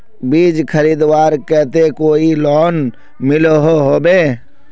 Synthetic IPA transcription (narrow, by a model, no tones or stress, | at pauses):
biːd͡ʒkʰəɾiːd̪waːɾkɛɦt̪ekoːilɔːn | mɪloɦoɦoːbeː